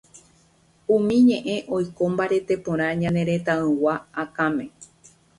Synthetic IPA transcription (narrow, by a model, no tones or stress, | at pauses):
ũmĩɲẽ̞ʔẽ̞ʔo̞jko̞mbaɾe̞t̪e̞põɾ̃ãɲãne̞ɾe̞t̪ãɨ̃waːkãmẽ̞